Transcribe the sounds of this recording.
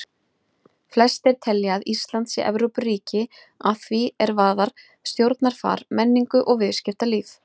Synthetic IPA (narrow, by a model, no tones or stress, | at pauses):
flɛst̪ɛɾ̥t̪ʰɛlːjaðist̪lant̪sɪʔɛ̰vɾowpʏriːcɪ | aðθviɛɾvaːðaɾ̥ | st̪jowɾt̪naɾ̥fa̰ːɾ̥mɛnːiŋkʏʔɔɣvɪðscɪft̪aliːf